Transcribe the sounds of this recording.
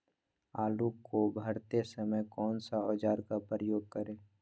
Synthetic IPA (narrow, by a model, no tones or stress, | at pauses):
aːlukobʱəɾt̪esəməjkɔːnsaɔːd͡ʒaːɾkapɾəjoːɡ̚kəɾẽː